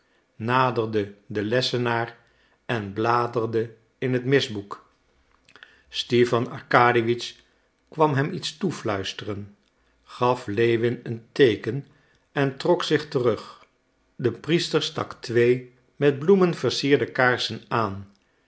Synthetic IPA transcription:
naːdərdədəlɛsənaːr | ɛnblaːdərdə | ɪnɦətmɪzbuk | stifɑnɑ̰ɹkaːdiʋit͡ʃ | kʋɑmɦɛmitstuflœɥstərən | χɑflejʋɪnəntejkən | ɛntrɔksɪχtərɵχ | dəpristəɹstɑ̰ktʋej | mɛd̚blumənv̥əɹsiːɹdəkaːɹsənaːn

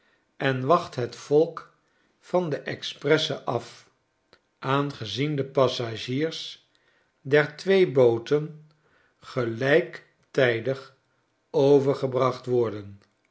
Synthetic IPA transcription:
ɛnʋɑχtɦətfɔlˠk | fɑndəʔɛksprɛsəʔɑf | ʔaːnχəzindəpɑsaʒiːɹs | dɛɹtʋejbowtən | χəlɛjk | tɛjdəχ | owvəɹχəbrɑχtʋɔɹdən

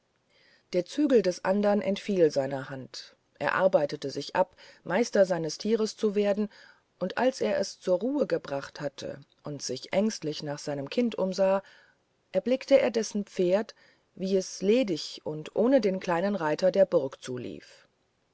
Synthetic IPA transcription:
d̥eːɐt͡syːɡl̩dɛsʔandɐnʔɛ̰ntfiːlzaɪnɐhant | ʔeːɐʔa̰ɐbaɪtətəzɪçʔapmaɪstɐzaɪnəstʰiːʁ̞əst͡suveːɐdn̩ | ʔʊntʔalsʔeːɐʔɛst͡suːɐʁuːəɡəbʁaχthatʰə̰ | ʔʊntz̥ɪçʔɛŋstlɪçnaːχz̥aɪnəmkʰɪntʔʊmzaː | ʔɛɐblɪktəeːɐdɛsn̩p͡feːɐt | viːɛsleːdɪçʊntʔoːnədeːnkʰl̥aɪnənʁaɪtɐdeːɐbʊɐkt͡suːlḭːf

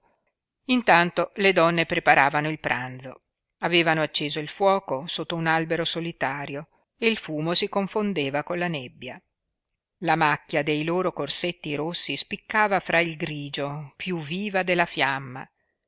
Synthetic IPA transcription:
int̪ant̪oled̪ɔnːepɾepaɾaːvanoilpɾʔa̰nd̪zo̰ | aveːvanoat͡ʃːeːzoilfwɔːkosot̪ːounalbeɾosolit̪aːɾjo | eilfuːmosikoɱfond̪eːvakonlanɛbːja | lamakːjad̪ejloːɾokorset̪ːiɾosːispikːaːvafɾʔailɡɾiːd͡ʒopjuvːiːvad̪elːafjamːa̰

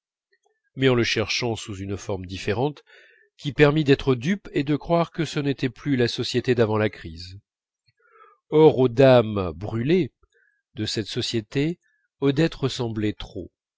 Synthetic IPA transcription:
mɛɑ̃ləʃɛʁʃɑ̃suzynfɔʁmd̪ifeʁɑ̃t̪ | kʲipɛʁmid̪ɛt̪χəd̪yped̪əkχwaʁkəsənet̪ɛplylasɔsjet̪ed̪avɑ̃lakχiz | ɔʁod̪ambʁyle | d̪əsɛt̪sɔsjet̪e | ɔd̪ɛt̪ʁəsɑ̃blɛt̪χo̰

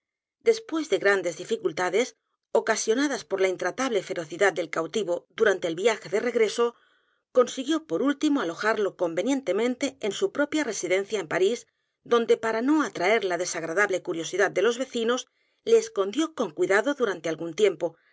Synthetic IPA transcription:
d̪e̞spwe̞zðe̞ɣɾand̪e̞zðifikult̪aðe̞s | o̞kasjo̞naðaspo̞ɾlaint̪ɾat̪aβle̞fe̞ɾo̞θiðat̪̚d̪e̞lkawt̪iβo̞ðuɾant̪e̞ːlβiaxe̞ðe̞re̞ɣɾe̞so̞ | ko̞nsiɣjo̞po̞ɾult̪imoalo̞xaɾlo̞ko̞mbe̞nje̞nt̪e̞mẽ̞nt̪e̞ːnsupɾo̞pjare̞siðẽ̞nθjaempaɾis | d̪o̞nd̪e̞paɾano̞at̪ɾae̞ɾlaðe̞saɣ̞ɾaðaβle̞kuɾjo̞siðat̪̚d̪e̞lo̞zβe̞θino̞s | le̞ːsko̞nd̪jo̞ko̞ŋkwiðaðo̞ðuɾant̪e̞alɣunt̪je̞mpo̞

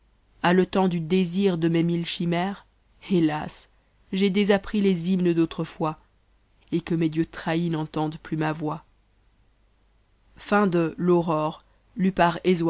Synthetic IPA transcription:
alət̪ɑ̃d̪yd̪eziʁd̪əmemilʃimɛːʁ | elas | ʒed̪ezapχilezimnəd̪ot̪χəfwa | ekəmed̪jøt̪χainɑ̃t̪ɑ̃d̪plymavwa | fɛ̃d̪əlɔʁɔʁ | lypaʁez

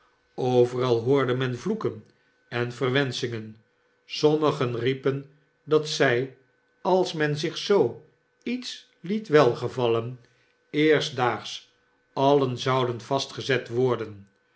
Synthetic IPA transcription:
owvərɑlˠɦʊːɹdəmɛnvlukən | ɛnvərʋɛnsɪŋən | sɔməχənripən | dɑtsɛj | ɑlˠsmɛnzɪχsow | its | litʋɛlˠχəvɑlən | ɪːrstdaːχs | ɑlənzɑwdənvɑstχəzɛtʋɔɹdən

